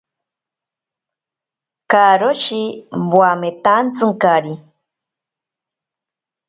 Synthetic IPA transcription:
kaɾoʃibwamet̪ant͡sɨŋkaɾi

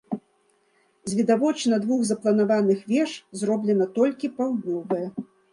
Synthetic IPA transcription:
zʲvʲid̪avɔt͡ʂnɐd̪vuɣzɐplˠɐn̪avanɨxvʲɛʂzrɔblʲɛnɐt̪ɔlʲkʲipawd̪nʲɔvɐjɛ

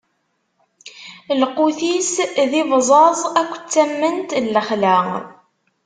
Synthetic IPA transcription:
lquθisðivzˤɑzˤækʷːt͡sːæmːənt̪lːəχlæ̰ɾ

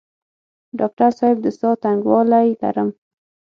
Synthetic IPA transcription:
ɖɑk̚ʈaɾsɑjɪb̚d̪əst̪ɑt̪aŋɡwɑlajla̰ɾəm

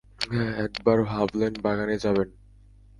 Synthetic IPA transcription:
ɛɛkbaɾɦablenbaɡaned͡ʑaβen

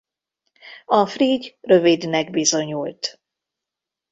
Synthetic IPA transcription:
ɒfriːɟrø̞vid̪nɛɡ̚bizo̞ɲult̪

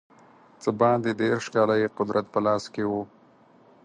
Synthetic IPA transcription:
t͡səbɑːnd̪ed̪eɾʃkɑːlajeqʊd̪ɾʔat̪̚pəlɑːskewo

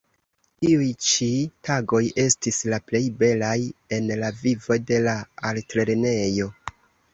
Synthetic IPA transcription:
tiujt͡ʃitaɡo̞je̞stislaple̞jbe̞laje̞nlavivo̞de̞laaltɾe̞ɾne̞jo̞

